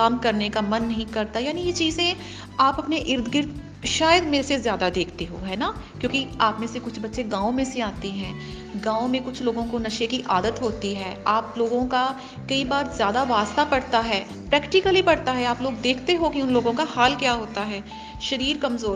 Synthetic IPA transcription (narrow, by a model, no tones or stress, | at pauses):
kaːmkɐɾnekamɐnːɐɦĩkɐɾt̪ajaːnijet͡ʃiːzẽ | aːpɐpneʔɪɾd̪ʰɡɪɾt̪ | ʃaːjəd̪meːɾesezjaːd̪ad̪eːkʰt̪eɦo̰ɦɛːnakjõːkiaːpmẽsekʊt͡ʃʰbɐtːʃeɡãːõmẽseaːt̪eɦɛ̃ː | ɡãːõmẽkʊt͡ʃʰloːɡõkonɐʃekiʔaːd̪ət̪ɦoːt̪iɦɛːaːploːɡõka | kɐibaːɾzjaːd̪aʋaːst̪apɐɽt̪aɦɛː | pɾɛːkʈɪkəlɦipɐɽt̪aɦɛaːploːɡd̪eːkʰt̪eɦokiʊnloːɡõkahaːlkjaːɦoːt̪aɦɛː | ʃɐɾiːɾkɐmzoːɾ